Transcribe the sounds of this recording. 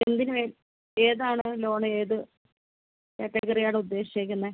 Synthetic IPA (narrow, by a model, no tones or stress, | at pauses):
end̪inɨmeːl | e̞ːðaːɳɨlo̞ːɳɨeːðɨ | kekːɐkːɐrijaːɳɨud̪ːe̞ːɕiekʲːunːɐ